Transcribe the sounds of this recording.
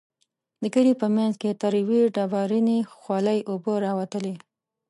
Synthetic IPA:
d̪əɡəɽipəmanzket̪aɾiwiɖɑbɑɾinexwɑləjʔoboɾɑwat̪əle

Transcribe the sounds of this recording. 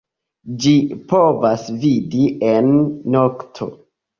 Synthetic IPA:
d͡ʒipovasvidiʔenːoktʰo̞̰

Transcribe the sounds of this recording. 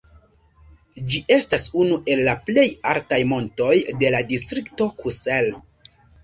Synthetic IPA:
d͡ʒiʔe̞stasunuʔe̞lːaple̞jaltajmo̞nto̞jde̞ladistɾikto̞kusel

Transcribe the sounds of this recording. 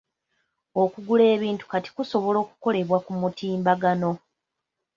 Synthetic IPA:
okuɡule̞ːβiːntu̥kati̥kuso̞βo̞lo̞ːku̥ko̞le̞βwakumutiːmbaɡano̞

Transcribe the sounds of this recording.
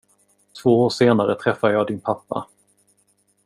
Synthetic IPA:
t̪ʰv̥oːoːʂeːnaɾət̪ʰɾɛfːad̪əjɑːd̪ɪnpʰapːa̰

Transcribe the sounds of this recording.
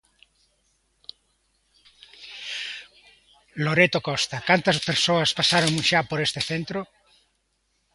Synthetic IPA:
loɾet̪okɔst̪akant̪ɐspeɾsoɐspasaɾoŋũʃapoɾest̪eθent̪ɾo

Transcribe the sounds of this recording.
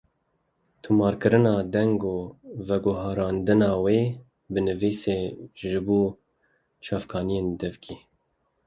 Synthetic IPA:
t̪ʰumɑːɾkɨɾɨnɑːd̪ɛŋɡoːvɛɡʊɦɑːɾɑːnd̪ɨnɑːweː | bɨnɨviːseːʒɨbuː | t͡ʃʰɑːfkʰɑːnijeːnd̪ɛvkʰiː

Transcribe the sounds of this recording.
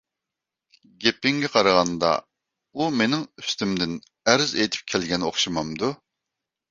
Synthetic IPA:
ɡʲepɪŋɡʲɛqʰɑɾɑʁɑnd̪ɑ̰ | umenɪŋy̥st̪ymd̪ɪn | æɾɪzejt̪ʰy̥p̚kʲʰɛlɡʲɛnoχʃɨmɑmd̪u

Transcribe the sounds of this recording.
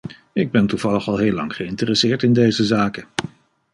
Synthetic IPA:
ɪɡ̚bɛntuv̥ɑləχɑlˠɦeːlɑ̰ŋχəɪntərəsɪːɹtɪndejzəzaːkə

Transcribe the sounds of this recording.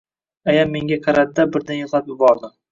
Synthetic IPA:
ajamːe̞ŋɡʲaqʰɑɾad̪ɪd̪abɪɾd̪anjoqlˠapjɪbɒɾd̪ɪm

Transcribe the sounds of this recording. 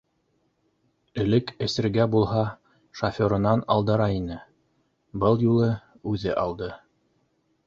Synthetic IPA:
ɘ̆lɘkɘ̆sɘ̆ɾɡæbulˠɦɑ | ʃɐfʲoɾɤ̆nɑnɑ̰lˠd̪ɤ̆ɾɑinɘ | bɤlˠjulˠɤ | ʉðɘʔɑlˠd̪ɤ

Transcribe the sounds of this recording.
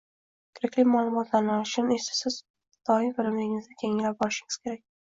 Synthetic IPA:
kʰʲɪɾɪkʲlɪmalˠʊmɒt̪laɾnɒʃɪnesḁsɪz | d̪̥ɒɪfɪlɪmlɪŋɪzd̪ɪkʲʰe̞ŋɪlap̚bɒɾɪʃɪŋɪz̥kʲʰe̞ɾak̚ʲ

